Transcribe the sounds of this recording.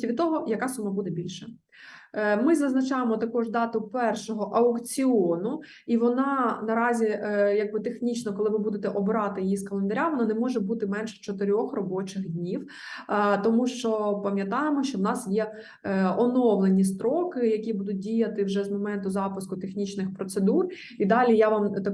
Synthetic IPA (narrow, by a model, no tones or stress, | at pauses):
ʋʲid̪t̪ɔɦɔjɐkɑsumɑbud̪ɛbʲilʲʃɛ | mɪzɐznɐt͡ʃɑjemɔt̪ɐkɔʒd̪ɑt̪ʊpɛrʃɔɦɔʔɐʊkt͡sʲiɔnʊ | iʋɔnɑnɐɾɑzʲijɐɡ̚bɪt̪exnʲit͡ʃnɔkɔlˠɪʋɪbud̪et̪ɛʔɔbɾɑt̪ɪjjiskɐlˠend̪ɐɾʲawɔnanɛmɔʒɛbut̪ɪmɛnʃɛ̥t͡ʃɔt̪ɪɾʲɔxrɔbɔt͡ʃɪxdʲnʲiw | t̪ɔmuʃt͡ʃɔpɐmʲjɐt̪ɑjemɔʃt͡ʃɔwnɑsjɛ | ɔnɔʋlˠenʲist̪ɾɔkɪjɐkʲibud̪ʊt̚ʲdʲijɐt̪ɪwʒɛzmɔmɛnt̪ʊzɑpɪskʊt̪exnʲit͡ʃnɪxpɾɔt̪sed̪ur | id̪ɑlʲijaʋɑmt̪